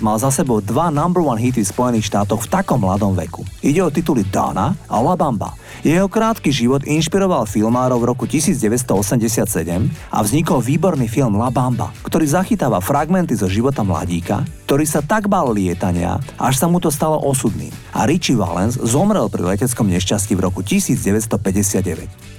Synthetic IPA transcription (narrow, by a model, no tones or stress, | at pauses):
malzasɛbɔʊd̪ʋanambl̩anɦit̪ifspɔjɛniːxʃt̪aːt̪ɔxft̪akɔmːlad̪ɔmʋɛ̰kuiɟɛɔt̪it̪ulid̪a̰na̰a̰labamba̰ | jɛɦɔkɾaːt̪kiʒiʋɔd̪inʃpiɾɔʋalfilmaːɾɔʊvɾɔkucisiːd͡zɟɛʋɛs̬t̪ɔɔsɛmɟɛsɪat̪sɛɟɛma̰vzɲikɔlʋiːbɔɾniːfilmlabamba̰kt̪ɔɾiːzaxit̪aːʋafɾaɡmɛnt̪izɔʒiʋɔt̪amla̰ɟiːka̰k̚t̪ɔɾiːsat̪aɡmallɪɛt̪aɲɪa̰ʔaʃsamut̪ɔst̪alɔ̰ʔɔsud̪nḭːma̰ɾit͡ʃiʋa̰lɛ̰nzzɔmɾɛlpɾḭlɛcɛt͡skɔmɲɛʃcascivɾɔkucisiːd͡zɟɛʋɛt̪s̬t̪ɔpɛɟɛsɪad̪̚ɟɛʋɛ̰c